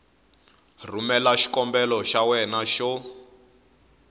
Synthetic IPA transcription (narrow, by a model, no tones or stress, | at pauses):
rumɛlaʃi̥kɔmbɛlɔʃawɛnaʃɔ